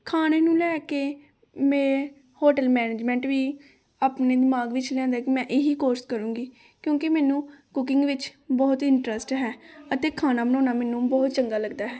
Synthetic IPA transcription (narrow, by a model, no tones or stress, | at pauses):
kʰaːneːnũːlɛːkeː | mɛ̃ː | hoːʈəlmɛːneːd͡ʒmɛ̃ːɳʈʋiː | aːpneːd̪ɪmaːɡʋɪt͡ʃlɛ̃ːnd̪aːkimɛ̃ːʔeɦiːkoːɾskəɾũːɡiː | kjõːkɪmɛːnũːkʊkɪŋɡʋɪt͡ʃbɔːt̪ɪɳʈɾəsʈɦɛːət̪eːkʰaːnaːbənɔ̃ːnaːmɛːnũːbɔːt̪t͡ʃəŋɡaːləɡd̪aːɦɛː